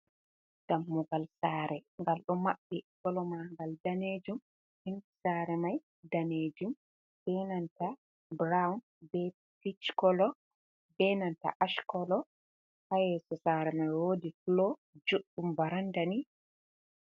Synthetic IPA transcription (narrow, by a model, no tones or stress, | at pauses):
d̥amːuɡalsaːɾɛŋɡalɗɔmaɓːikɔlɔmaŋɡaldaned͡ʒum | hinkisaːɾɛmaj | daned͡ʒum | b̥ɛnanta | bɾawn | bɛ | pit͡ʃkɔlɔ | bɛnanta̰ʔaʃkɔlɔ | hajɛsɔsaɾɛmajwodiflɔ | d͡ʒuɗːumvaɾandani